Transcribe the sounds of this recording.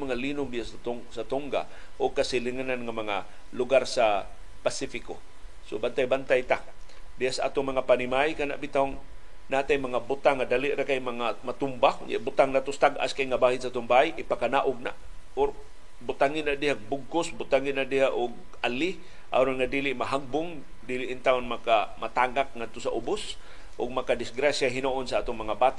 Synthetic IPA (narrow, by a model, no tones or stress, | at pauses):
maŋalinʊŋbɪjast̪ | sat̪oŋɡa̰ | ʔʊɡ̚kasilɪŋananŋamaŋa | lʊɡarsa | pasifɪko | sobant̪ajbant̪ajt̪a | dɪhasaʔa̰t̪ʊŋmaŋapanimajkana̰ʔbit̪aŋ | naʔat̪ajmaŋabʊt̪aŋːadaliʔɾakajmaŋamat̪ʊmbakja̰bʊt̪aŋnat̪ʊst̪aɡʔa̰skajŋabaːɦɪnsat̪ʊmbajʔɪpakanaʔʊɡ̚na̰ʔ | ʊɾ | bʊt̪aŋɪnaʔdɪɦaɡ̚bʊɡ̚kʊsbʊt̪aŋɪnaʔdɪɦaʔʊɡ̚ | alɪ | ʔa̰ɾʊnŋadiːlɪʔmaɦaɡ̚bʊŋ | diːliʔːnt̪aʊnmakamat̪aɡak̚ŋad̪̚t̪ʊsaʔʊbʊs | ʔʊɡ̚makadɪsɡɾasjaɦinoʔːnsaʔaːt̪ʊŋmaŋabaːt̪aʔ